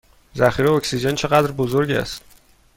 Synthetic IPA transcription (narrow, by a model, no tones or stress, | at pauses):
zæxiɾeocsid͡ʒent͡ʃʰe̞ɣæd̪ɾbozoɾɟæ̰st̪